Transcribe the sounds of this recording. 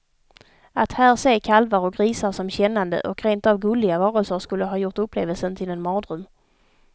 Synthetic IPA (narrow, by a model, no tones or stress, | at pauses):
at̪hæːɾseːkʰalvaɾɔɡɾiːsaɾsɔmɕɛnːand̪ə̰ʔɔkɾeːnt̪avɡɵːlɪɡavɑːɾəlsəɾʂkɵlːəɦɑːjʊɾʈ̪ɵpːleːvəlsənt̪ʰɪlɛnmɑːd̪ɾɵm